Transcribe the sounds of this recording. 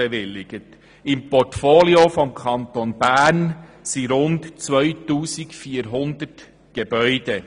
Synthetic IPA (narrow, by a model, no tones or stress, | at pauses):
eʋɪlːɪɡ̥ət | ɪmpɔrtfoːliofɔmkʰɑnt̪onbæːrnsiɾʊntt͡sʋœɥtuːsikfiːəɾɦʊnd̪ət | ɡ̥eb̥œʏd̥̪ɛ